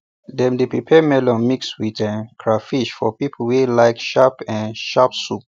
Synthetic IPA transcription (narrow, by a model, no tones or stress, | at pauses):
dɛ̃mdepɹipʰɛmɛlɔ̃nmikswitɛ̃nkʰɹafiʃfɔpipʰəwelaɪkʃapɛ̃nʃapsup̚